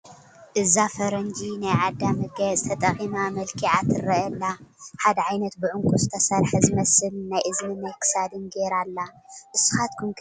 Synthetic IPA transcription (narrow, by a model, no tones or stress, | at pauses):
ʔɨzafɐɾɐnd͡ʒinajʕad̪ːamɐɡɐt͡sʼt̪ʰɐt̪ʼɐχʼimamɐlkʰiʕat̪ʰɨɾːɐɐlːaħad̪ɐʕajnɐt̪bɨʕʊŋkʰʼuzɨt̪ʰɐsɐɾħɐzɨmɐsɨlnajʔɨznɨnajkʰɨ̥sad̪ɨnɡeɾalːaʔɨsːu̥xat̪kʰumk